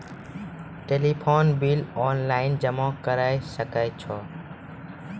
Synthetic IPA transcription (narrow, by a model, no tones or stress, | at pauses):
ʈeːlipʰoːnbiːlɔːnlaːɪnd͡ʒəmãːkəɾaːisəkəːt͡ʃʰɔː